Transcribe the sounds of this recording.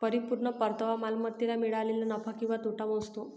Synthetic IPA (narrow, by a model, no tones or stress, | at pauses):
pəɾipuɾɳəpəɾt̪əʋamalmət̪ːilamiɭalilanəfʰakĩw̃ʋat̪uʈamost̪o